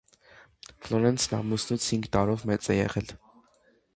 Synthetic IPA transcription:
flɔɾɛnsʰnɑ̰musnut͡sʰhiŋɡt̪ɑɾɔvmɛt͡sʼɛjɛ̰ʁɛl

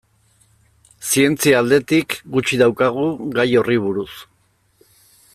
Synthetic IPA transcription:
sie̞nt͡siaːld̪e̞t̪ikɡut͡ʃiðawkaɣ̞uɣajo̞riβ̞uɾus

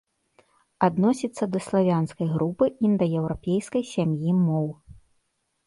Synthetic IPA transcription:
ad̪nɔsʲit̪sːɐd̪ɐslˠavʲanskɐjɣɾupɨind̪ɐjɛwɾapʲejskɐjsʲamjimɔw

